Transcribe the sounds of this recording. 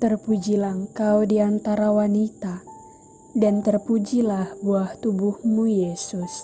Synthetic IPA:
t̪ərpud͡ʒilaŋkawdiant̪aɾawanit̪a | dant̪ərpud͡ʒilahbuaht̪ubuhmujesʊs

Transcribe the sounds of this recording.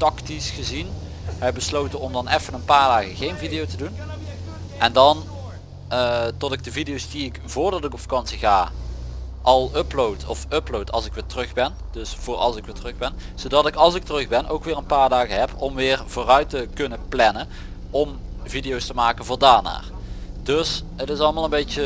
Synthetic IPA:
tɑktisχəzin | ɦɛbəslowtənɔmdɑnɛfənənpaːɹdaːɣəɣejnvidijowtədun | ʔɛndɑn | tɔtɪɡ̚dəvidijowsdiɪkv̥ʊːɹdɑtɪkɔpfḁkɑnsiɣa̰ː | ʔɑlˠɵplowtʰɔfɵplowtɑ̰lˠsɪkʋɪːtərɵxbɛn | d̥ɵsv̥ʊːɹɑ̰lˠsɪkʋɪːtərɵxbɛnz̥owdɑtɪkɑlˠsɪk̚tərɵxbɛnʔowkʋɪːɹənpaːɹdaːɣəɦɛpɔmʋɪːrv̥oːrœɥtəkɵnəplɛnən | ɔmvidijowstəmaːkənvʊːɹdaːɹna̰ːrdøsɦətɪsɑlˠmaːlˠənbejtə

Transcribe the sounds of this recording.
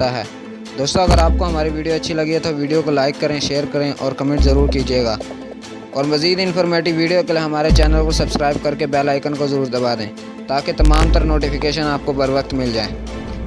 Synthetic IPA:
aɦɛ̰ː | d̪oːst̪õɐɡəɾaːp̚koɦɐmaːɾiʋiːɖijoɐtːʃʰilɐɡiet̪oʋiːɖijokolaːɪkːɐɾẽʃeːəɾkɐɾẽʔɔːɾkɐmẽːɳʈzɐɾuːɾkid͡ʒaeːɡaː | ɔːɾmɐziːd̪ɪnfʰɔːɾmeːʈɪɡʋiːɖijokelieɦɐmaːɾet͡ʃɛːnəlkosɐbskɾaːɪb̚kɐɾkebɛːlaːɪkənkozɐɾuːɾd̪ɐbaːd̪ḛ̃ː | t̪aːket̪ɐmaːmt̪ɐɾnoːʈifɪkeːʃənaːp̚kobɐɾʋəkt̪mɪld͡ʒaːḛː

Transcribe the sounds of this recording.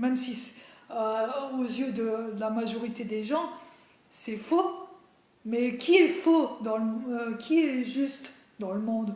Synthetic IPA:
mɛmsisøozjød̪əlamaʒɔʁit̪ed̪eʒɑ̃ | sɛfo | mɛkʲiɛfod̪ɑ̃ləmkʲʰiɛʒyst̪ | d̪ɑ̃ləmɔ̃d̪

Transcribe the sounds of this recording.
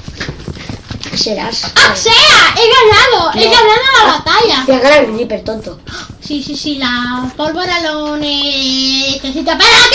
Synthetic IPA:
seɾa̰saseaʔeɣaβnaðoeɣaβlaðolaβat̪aʎat̪eaɣaɾaiðipeɾt̪ont̪osisisilapolβoɾanone | teθit̪apaɾa

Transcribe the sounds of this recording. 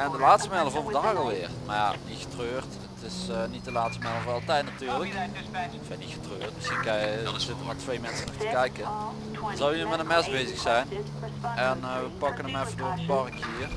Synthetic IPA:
ɛndəlaːtstəmɛləvɔnvədaːɣɑlˠʋɪːrmaja̰nixə̥trøːrt | ətɪsnit̚dəlaːtstəmɛlˠəvɑlˠtɛjtnatyːɹlək | fɛnixə̥trøːrtməsxinkɑjəzɪtəmatʋejmɛnsənɔxtəkɛjkə | nzɑwjyəmɛtənmɛsbejzəxsɛjn | ɛnʋəpɑkənəmɛfədʊːɹədəbɑrkhiːər

